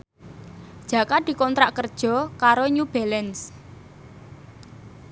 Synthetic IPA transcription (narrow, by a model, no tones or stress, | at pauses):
d̥ʒ̥ä̤kad̪̥i̤kɔnt̪ɾaʔkərd̥ʒ̥ɔ̤kaɾoɲub̥ɛlɛns